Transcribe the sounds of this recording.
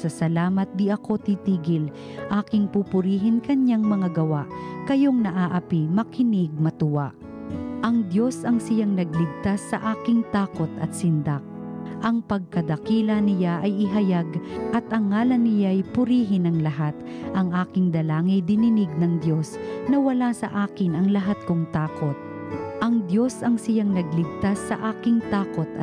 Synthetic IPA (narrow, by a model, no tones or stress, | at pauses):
sɐsɐlaːmɐt̪̚d̪ɪʔɐko̞t̪it̪iːɡɪl | ʔaːkɪŋpupʊɾiːɦɪnkɐɲjaŋmɐŋaɡɐwaʔkɐjoŋnɐʔaːʔɐpimɐkʰɪnɪɡ̚mɐt̪ʊwaʔ | ʔɐŋd̪jo̞sɐŋsɪjaŋnɐɡ̚lɪɡ̚t̪asːɐʔaːkɪŋt̪aːko̞t̪ʔɐ̰t̪̚sɪnd̪ak̚ʔɐŋpɐɡ̚kɐd̪ɐkiːlɐnɪjaʔɐjʔɪɦɐjaɡʔɐt̪ʔɐŋːaːlɐnːɪjaɐjpʊɾiːɦɪnɐŋlɐɦat̪ | ʔɐŋʔaːkɪŋd̪ɐlaːŋɪjd̪ɪnɪnɪɡ̚nɐŋd̪jo̞snɐwɐlasɐ̰ʔaːkɪnɐŋlɐɦat̪̚koŋt̪aːkot̪̚ | ʔɐŋd̪jo̞sɐŋsɪjaŋnɐɡ̚lɪɡ̚t̪asːɐ̰ʔaːkɪŋt̪aːkot̪